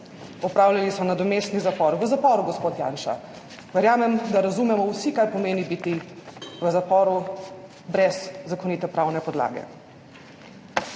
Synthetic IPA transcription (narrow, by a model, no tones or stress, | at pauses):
ɔpɾaːwlʲalisɔnad̪ɔmeːst̪nizapɔɾʋəzapɔːɾuɡɔspoːt̪ja̰ːnʃa̰ | ʋɛɾjaːmɛmd̪aɾazumɛmɔwsikaɾpɔmeːnibit̪iʋəzapɔːɾu | bɾɛzːakɔniːt̪ɛpɾaːwnɛpɔd̪la̰ːɡɛ̰